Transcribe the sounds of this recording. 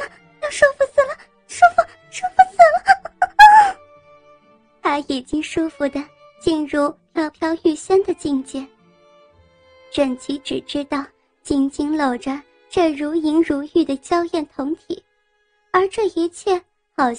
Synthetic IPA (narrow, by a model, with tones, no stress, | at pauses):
jɑ˥˧ʂu˥fu˧sɹ̩˨˩lə˩˦ | ʂu˥fu˧˩ | ʂu˥fu˧sɹ̩˨˩lə˦ | t̪ʰa˥i˨˩t͡ɕi˥ŋʂu˥fu˧˩d̪ə˨ | t͡ɕi˥˧nɻu˥˩pʰjɑ˥ʊpʰjɑ˥ʊy˥˩ɕɛ˥nd̪ə˨t͡ɕi˥˧ŋt͡ɕjɛ˥˩ | ʈ͡ʂə˨˩nt͡ɕi˧˥ʈ͡ʂɻ̩˨˩ʈ͡ʂɻ̩˥t̪ɑ˥˩ʊ | t͡ɕi˥ŋt͡ɕi˥ŋlo˨˩ʊʈ͡ʂə˦ | ʈ͡ʂɤ˥˩ɻu˧˥i˧˥ŋɻu˧˥y˥˩d̪ə˩t͡ɕjɑ˥ʊjɛ˥˩nt̪ʰʊ˧˥ŋt̪ʰḭ˨˩˦ | ə˞˧˥ʈ͡ʂɤ˥˩i˧˥t͡ɕʰjɛ˥˩ | xɑ˨˩ʊ